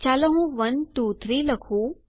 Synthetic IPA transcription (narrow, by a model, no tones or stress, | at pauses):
t͡ɕaləɦũʋənt̪uːt̪ʰɾiləkʰuː